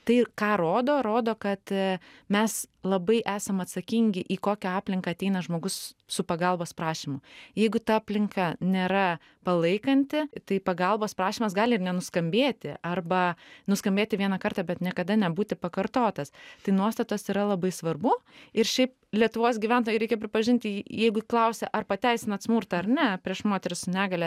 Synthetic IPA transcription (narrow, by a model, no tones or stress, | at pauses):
t̪ɐɪkɑːɾoːd̪oːɾoːd̪oːkɐt̪mʲɛslˠɐbɐɪʔæːsɐmɐt̪sɐkʲiŋʲɡʲɪʔiːkoːkʲɛɑːpʲlʲɪŋkɐːɐt̪ʲɛɪnɐʒmoːɡʊssʊpɐɡɐlˠboːspɾɑːʃʲimʊjɛɪɡʊt̪ɐɑːpʲlʲɪŋkɑnʲeːɾɐ | pɐlˠɐɪkɐnʲt̪ʲɪt̪ɐɪpɐɡɐlˠboːspɾɑːʃʲiːmɐsɡɑːlʲɪrnʲɛnʊskɐmʲbʲeːt̪ʲɪ̰ʔɐrbɐnʊskɐmʲbʲeːt̪ʲɪʋʲiɛnɐkɐrt̪ɑːbʲɛt̪nʲiɛkɐd̪ɐnʲɛbuːt̪ʲɪpɐkɐɾt̪oːt̪ɐst̪ɐɪnuɔst̪ɐt̪oːsiːɾɐlˠɐbɐɪsʋɐrbʊɪrʃʲɛɪp | lʲiɛt̪ʊʋoːsɡʲiʋʲæˑnt̪oːjɛɾɛɪkʲɛpʲɾʲɪpɐʒʲɪnʲt̪ʲjɛɪɡʊklˠɐʊsʲɛʔɐrpɐt̪ʲɛɪsʲɪnɐt̪smʊrt̪ɐɐrnʲɛpʲɾʲiɛʃmoːt̪ʲɛɾʲɪssʊnʲæːɡɐlʲɛ